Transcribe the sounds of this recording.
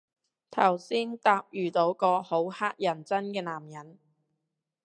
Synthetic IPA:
t̪ʰɐ˨˩wsiː˥nt̪aː˧p̚jyː˨t̪o˨˥wkɔː˧ho˨˥whaː˥k̚jɐ˨˩nt͡sɐ˥nkɛː˧naː˨˩mjɐ˨˩n

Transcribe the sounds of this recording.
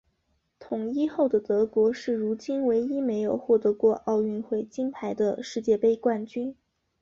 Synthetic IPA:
t̪ʰʊ˨˩ŋi˥xo˥˩ʊd̪ə˩t̪ɤ˧˥kwɔ˧˥ʂɻ̩˥˩ɻu˧˥t͡ɕi˥nwe˧˥ɪi˥me˧˥ɪjo˨˩ʊxwɔ˥˩t̪ɤ˧˥kwɔ˥˧ʔɑ˥˧ʊy˥˧nxwe˥˩ɪt͡ɕi˥npʰa˧˥ɪd̪ə̰˧ʂɻ̩˥˧t͡ɕjɛ˥˧pe˥˧ɪkwa˥˩nt͡ɕy˥n

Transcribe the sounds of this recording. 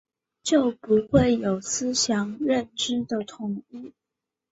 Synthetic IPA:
t͡ɕjo˥˩ʊpu˧˥xwe˥˩ɪjo˨˩ʊsɹ̩˥ɕjɑ˧˥ŋɻə˥˧nʈ͡ʂɻ̩˥d̪ə˨t̪ʰʊ˨˩ŋi˥˩

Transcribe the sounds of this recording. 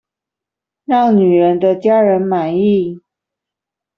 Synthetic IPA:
ɻɑ˥˩ŋny˨˩ɻə˧˦˥nd̪ə˧t͡ɕja˥ɻə˧˥nma˨˥ni˥˩

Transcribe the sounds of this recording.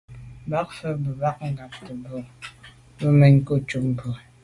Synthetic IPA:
ba˦k̚fə˦bə˨ba˦k̚ŋ̩˦ɡa˨p̚tə˨bə˨ | bə˦mɛ˦ɲko˦t͡ʃu˦p̚m˨bə˨

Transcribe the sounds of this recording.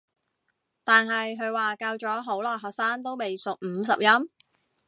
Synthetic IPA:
t̪aː˨nɦɐ˨jɦɵ˨˧ɥwaː˨ka˧wt͡ʃɔː˨˥ɦo˨˥wlɔː˨jɦɔː˨k̚saː˥nt̪o˥wme˨jsʊ˨k̚m̩ː˨˧˥s̬ɐ˨p̚jɐ˥m

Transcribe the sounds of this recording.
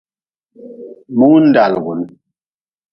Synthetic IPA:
mu˦n̩˦da˨lɡu˨n

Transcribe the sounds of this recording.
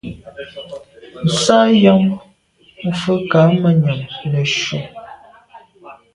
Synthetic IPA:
n̩˨sa˦jɔ˦ŋ̩˦ | fə˦ka˨˦mə˨ɲə˨mlə˨ʃu˨

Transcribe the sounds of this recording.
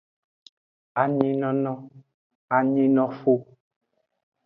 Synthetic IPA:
a˨ɲi˦nɔ˦nɔ̃˦ | a˨ɲi˦nɔ˦fu˦

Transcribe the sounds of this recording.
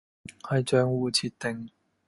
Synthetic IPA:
hɐ˨jt͡ʃœː˨˧ŋwuː˨˧t͡sʰiː˨˧t̚t̪e˨ŋ

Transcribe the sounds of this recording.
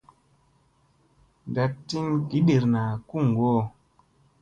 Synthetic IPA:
nda˧tːi˦ŋki˨˦ɗe˨ɾna˨ku˦˨ŋ˨ɡo˦˨

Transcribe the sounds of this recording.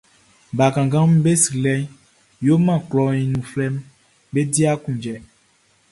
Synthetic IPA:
ba˨kã˨ɡã˦m˦be˦si˨lɛ˦ɲ | jo˦mã˦˨klɔ˨ɲĩ˨nũ˨flɛ˦m | be˦di˦a˦kũ˨d͡ʒɛ˨

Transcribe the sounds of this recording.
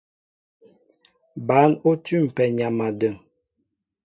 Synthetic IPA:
ba˨˦no˦tʉ˦m̩˨pɛ˨ɲa˨ma˨də˨ŋ

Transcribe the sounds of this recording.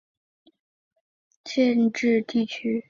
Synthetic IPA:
t͡ɕʰjɛ˥˧nʈ͡ʂɻ̩˥˧t̪i˥˩t͡ɕʰy˥

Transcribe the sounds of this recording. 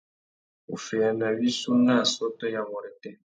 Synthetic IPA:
ṵ˨fɛ˨ja˨na˨wi˦su˦na˦˨sɔ˦tɔ˦ja˨mɔ˨ɾɛ˨tɛ˦

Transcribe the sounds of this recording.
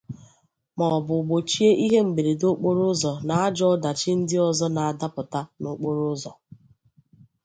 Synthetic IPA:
mɔ˨bʊ˨ɡ͡bo˨t͡ʃi˦e˦ʔi˦ɦe˦ŋ͡m̩˨ɡ͡be˨ɾe˨do˦k͡po˦ɾʊ˦zɔ˨na˨a˦d͡ʒɔ˦ɔ˦da˨t͡ʃɪ˦n̩˦dɪ˦ɔ˨zɔ˦na˨a˨da˦pʊ˨ta˦no˦k͡po˦ɾʊ˦zɔ˨

